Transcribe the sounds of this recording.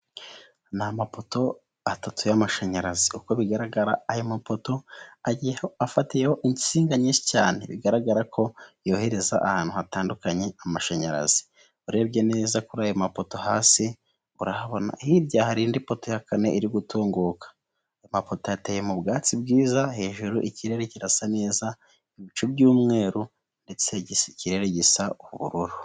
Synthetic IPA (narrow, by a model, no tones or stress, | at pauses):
namapoto̞ | atatojamaʃaɲaɾaziuko̞βiɡaɾaɡaɾaːjomapo̞to̞aɟieoafatijeho̞ʔiɲɟi̥siːŋɡaɲiːʃi̥ca̰ːnḛβḭɡaɾaɡaɾakʰo̞jo̞ːhe̞ɾe̞za̰ʔahaːn̥huhataːndukaɲe̞amaʃaɲaɾa̰zi̥ | uɾe̞ːbɟe̞ne̞ːzakuɾaːjomapo̞to̞haːsi | uɾahaβo̞na̰hiɾɟahaɾindipo̞tojakane̞ʔiɾiɡutʰuːŋɡuːkḁ | jomapo̞tojateːje̞mubɡaːt͡sibɡiːzahe̞ːʒuɾuʔiciɾe̞ɾeciɾasane̞ːza | iβit͡ʃubɟuːmŋe̞ːɾu | nde̞t͡seɟisciɾe̞ɾeɟisauβṵɾuɾu